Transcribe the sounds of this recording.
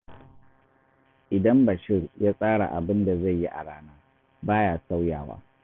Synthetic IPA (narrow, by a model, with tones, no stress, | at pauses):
ʔɪ˨dɐ˦mbɐ˨ʃɪ˦˨rjaː˦sʼaː˦ɽa̰˨ʔa̰˨bɪ˦nda˨za˦˨jːi˦ʔa̰˨ɽaː˦naː˦ | baː˦jaː˨sa˦wja̰ː˨wa̰ː˦